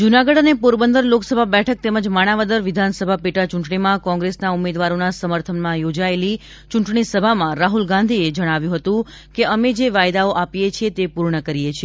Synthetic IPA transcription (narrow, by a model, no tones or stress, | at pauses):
d͡ʒunaɡəɽənepuɾbənd̪əɾloksəbʱabɛʈʰək̚t̪eməd͡ʒmaɽ̃aʋəd̪əɾʋɪd̪ʱansəbʱapiʈat͡ʃũɳʈɳimãkɔ̃ŋɡɾesnaumed̪ʋaɾonasəməɾt̪ʰənmãjod͡ʒaeli | t͡ʃũɳʈɳisəbʱamãɾaɦulɡãnd̪ʱied͡ʒəɽ̃aʋjũɦət̪ũ | keəmed͡ʒeʋajd̪aoʔapijet͡ʃʰiet̪epuɾɳəkəɾijet͡ʃʰie